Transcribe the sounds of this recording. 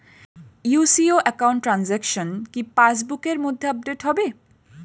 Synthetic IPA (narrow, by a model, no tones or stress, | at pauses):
jusioʔɛkawɳʈːɾanzɛkʃonkipat͡ɕbukeɾmod̪ʱːeab̚ɖeʈɦɔbe